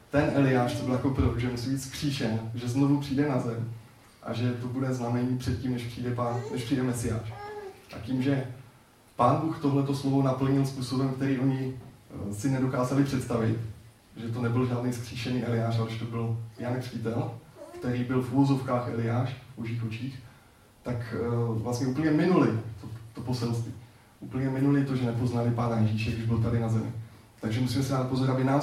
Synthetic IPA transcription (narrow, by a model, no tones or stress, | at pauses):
t̪ɛnʔɛlɪjaːʃt̪obɪljako̞pɾoʒɛmusiːbiːt̪skr̝̥iːʃɛnʒɛzno̞vupr̥iːdɛnazɛm | ʔa̰ʒɛt̪o̞budɛznamɛɲiːpr̥ɛt̪ciːmnɛʃpr̥iːdɛpanɛʃpr̥iːdɛmɛsɪja̰ːʃʔa̰ciːmʒɛ | paːnbuːxt̪o̞ɦlɛt̪oslo̞vo̞napl̩ɲɪlspuːso̞bɛmkt̪ɛɾiːʔo̞ɲɪ | sɪnɛdo̞kaːzalɪpr̥ɛt̪st̪avɪt̪ | ʒɛt̪o̞nɛbɪlʒaːdnijskr̝̥iːʃɛniːʔɛlɪjaːʃalɪʃt̪obɪljankr̥cɪt̪ɛlkt̪ɛɾiːbɪlfʔuvo̞zo̞fkaːxʔɛ̰lɪjaːʃvbo̞ʒiːxʔo̞t͡ʃiːx | t̪akvlast̪ɲɛuːp̬l̩ɲɛmɪnulɪt̪ot̪o̞po̞sɛlst̪viː | ʔupl̩ɲɛmɪnulɪt̪o̞ʒɛnɛpo̞znalɪpaːnajɛʒiːʃɛɡɾdɪʒbɪlt̪adɪnazɛmɪ̰ | t̪aɡʒɛmusiːmɛsɪdaːt̪̚pozoɾʔabɪnaː